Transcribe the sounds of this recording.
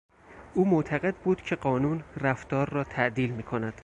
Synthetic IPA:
ʔuːmoːt̪ʰæɣe̞d̪̚buːd̪̥cʰe̞ɢɒːnuːnræft̪ɒːɾːɒːt̪ʰæʔd̪iːlmiːkʰonæd̪̥

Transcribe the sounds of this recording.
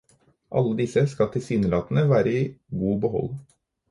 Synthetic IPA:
ʔɑ̰lːəd̪ɪsəskɑt̪ʰɪlsyːnəlɑːt̪nəʋæːɾəiːɡuːbəɦɔ̰l

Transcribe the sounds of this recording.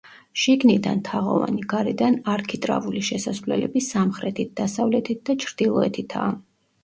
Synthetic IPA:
ʃiɡnid̪ant̪ʰaʁɔ̰va̰niɡaɾɛd̪anaɾkʰit̪ʼɾa̰vuliʃɛsasvlɛ̰lɛbisamχɾɛt̪ʰit̪̚d̪̥asavlɛt̪ʰit̪̚ʰd̪at͡ʃʰɾd̪̥ilˠɔɛt̪ʰit̪ʰa̰ː

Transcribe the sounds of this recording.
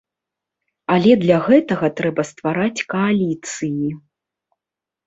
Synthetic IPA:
alʲɛd̪lʲaɣɛt̪ɐɣɐt̪ɾɛbɐst̪vaɾat͡sʲkɐalʲit̪sɨji

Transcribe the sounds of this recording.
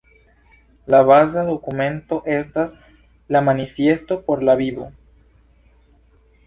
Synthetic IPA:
laβaz̬aðo̞kumẽ̞nt̪o̞ʔe̞st̪as | lamanifje̞st̪o̞po̞ɾlaβiβo̰

